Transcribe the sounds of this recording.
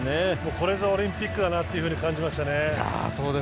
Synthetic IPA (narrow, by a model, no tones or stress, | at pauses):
nemoːko̞ɾezaoɾʲĩmpʲikːɯd̪anat̪ːe̞iɯ̟ɸɯ̟ɲ̟ikãɲ̟d͡ʑimaɕi̥t̪anea̰soːd̪e